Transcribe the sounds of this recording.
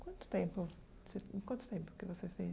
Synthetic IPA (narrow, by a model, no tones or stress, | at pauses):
kwɐ̃nt̪ʊ̥t̪ẽpʊ | sẽkwɐ̃nt̪ʊ̥t̪ẽmpʊ̥kɪvosefe